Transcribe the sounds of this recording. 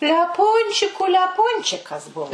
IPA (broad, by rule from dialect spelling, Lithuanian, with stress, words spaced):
lʲɛˈpʊnʲt͡ʃʲɪkʊ lʲɛˈpʊnʲt͡ʃʲɪkɐs ˈbʊʋoː